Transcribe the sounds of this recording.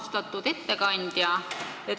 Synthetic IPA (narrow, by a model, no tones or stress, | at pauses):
st̪ɑt̪ːˑud̪̥e̞t̪ːe̞kɑnʲd̪̥jɑ | et̪